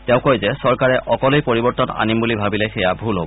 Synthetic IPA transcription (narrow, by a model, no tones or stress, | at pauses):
tɛʊ̃kɔjzɛsɔɹkaɹɛʔɔkɔlojpoɹibɔɹtɔna̰nimbulibʱabilɛxɛjabʱulɦobɔ